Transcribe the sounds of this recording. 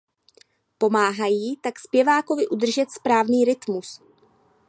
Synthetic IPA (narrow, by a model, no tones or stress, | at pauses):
po̞maːɦajiːt̪akspjɛvaːko̞vɪʔud̪r̩ʒɛt̪spɾaːvniːɾɪt̪mus